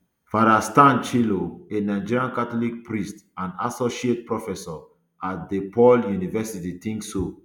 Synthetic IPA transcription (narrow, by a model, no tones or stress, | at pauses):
faɾastãnt͡ʃiloenaɪd͡ʒiɹiãnkatɔlik̚pɹistãnasɔʃiet̚pɹɔfɛsɔ | at̚depɔljunivɛsititĩŋkso